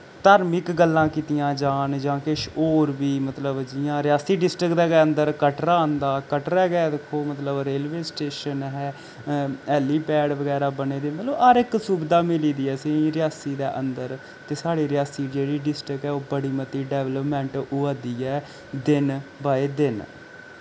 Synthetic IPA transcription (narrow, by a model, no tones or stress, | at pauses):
t̪aːɾmɪkɡəlːãːkiːt̪ɪjãːd͡ʒaːnd͡ʒãːkɪʃoːɾʋiːmət̪ləbd͡ʒɪjãːɾɪjaːsiːɖɪsʈɾɪkd̪eːɡeːənd̪əɾkəʈɾaːnd̪aːkəʈɾɛːɡɛɛːd̪eːkʰːoːmət̪ləbɾeːlʋeːsʈeːʃənɦɛː | ɛːliːpɛːɖʋəɡɛːɾaːbəneːd̪eːmət̪ləbəɾɪksuːbɪd̪aːmɪliːd̪iːɛːsĩɾɪjaːsiːd̪eːʔənd̪əɾ | t̪eːsaːɽiːɾɪjaːsiːd͡ʒeːɽiːɖɪsʈɾɪkɦɛːoːbəɽiːmət̪iːɖɛːʋləpmɛ̃ːɳʈʊad̪iːɛː | d̪ɪnbaːeːd̪ɪn